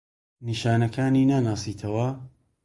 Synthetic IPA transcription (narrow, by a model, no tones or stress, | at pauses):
niʃaːnɐkʰaːniːnaːnaːsiːt̪ʰɐwɐ